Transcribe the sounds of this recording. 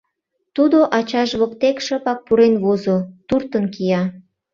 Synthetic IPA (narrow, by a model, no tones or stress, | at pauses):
t̪ud̪oʔɑt͡ɕɑʒβokt̪ekʃəpɑk̚puɾenβozot̪urt̪ənkijɑ